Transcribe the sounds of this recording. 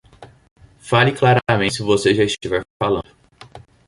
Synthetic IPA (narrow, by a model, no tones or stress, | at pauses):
falɪklaɾɐmẽsɪvoseʒaɪʃt͡ʃivɛɾfalɐ̰̃nd̪ʊ